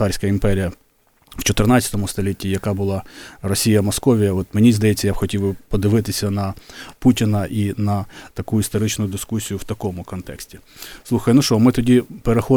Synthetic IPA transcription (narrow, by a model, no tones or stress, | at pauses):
ɑɾʲsʲkɐimpɛɾʲijɐ | wt͡ʃɔt̪ɪrnɑt͡sʲɐ̥t̪ɔmʊst̪ɔlʲitʲːijɐkɑbʊlˠɑrɔsʲijɐmɔskɔʋʲijɐɔt̪menʲizd̪ɐjɛt͡sʲːɐjab̥xɔtʲiwbɪpɔd̪ɪʋɪt̪ɪsʲɐnɐputʲɪnɐʔinɐt̪ɐkuist̪ɔɾɪt͡ʃnʊjʊd̪ɪskusʲijʊwt̪ɐkɔmʊkɔnt̪ɛksʲtʲi̥slˠuxɐjnuʃt͡ʃɔmɪt̪ɔdʲipeɾexɔ